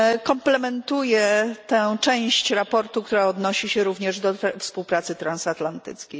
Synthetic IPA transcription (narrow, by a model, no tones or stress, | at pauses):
kɔmplɛmɛnt̪ujɛt̪ɛ̃t͡ʂɛ̃w̃ɕt͡ɕɾapɔɾt̪uk̚t̪uɾaɔd̪nɔɕiɕɛɾuvɲɛʐd̪ɔfspuwpɾat̪sɘt̪ɾansat̪lant̪ɘ̰t̪skʲej